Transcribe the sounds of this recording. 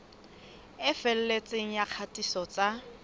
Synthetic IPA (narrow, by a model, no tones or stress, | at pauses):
ɪfɛl̩let͡sʼeŋ̩jaq͡χʰatʼisɔt͡sʼa